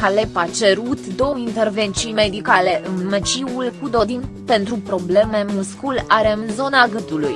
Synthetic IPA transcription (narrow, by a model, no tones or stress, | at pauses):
alepat͡ʃe̞ɾut̪d̪o̞wəint̪e̞rve̞nt̪sime̞d̪ikale̞ʔɨnmet͡ʃiulkud̪o̞d̪in | pe̞nt̪ɾupɾo̞ble̞me̞muskulaɾe̞ɨnzo̞naɡɨt̪uluj